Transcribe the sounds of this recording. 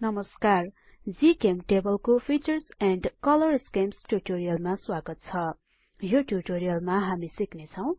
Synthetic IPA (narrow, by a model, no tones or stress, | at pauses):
nʌmʌskar | d͡zikemʈebʌlkopʰit͡sʌrsɛɳɖkʌlʌrskemsʈuʈoɾijʌlmaswaɡʌt̪̚t͡sʰʌ | joʈjuʈoɾijʌlmaɦamisiknet͡sʰʌw̃